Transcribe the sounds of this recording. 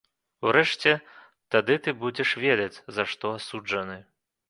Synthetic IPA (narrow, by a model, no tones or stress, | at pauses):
uɾɛʂt͡sʲɛ | t̪ad̪ɨt̪ɨbud͡zʲɛʂvʲɛd̪ɐt͡sʲzɐʂt̪ɔasud͡ʐɐnɨ